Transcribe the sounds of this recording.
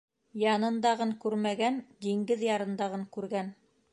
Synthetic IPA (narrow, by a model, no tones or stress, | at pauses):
jɑnɤ̆nd̪ɑʁɤŋkʉɾmæɡænd̪iŋɡɘðjɑɾɤ̆nd̪ɑʁɤŋkʉɾɡæn